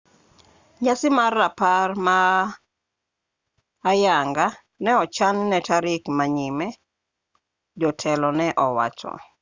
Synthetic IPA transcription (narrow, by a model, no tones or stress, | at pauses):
ɲasɪmarːaparma | jaŋɡa | nɛɔt͡ʃannɛtaɾɪkmaɲimɛ | d͡ʒɔtʰɛlɔnɛʔɔwa̰t͡ʃɔ̰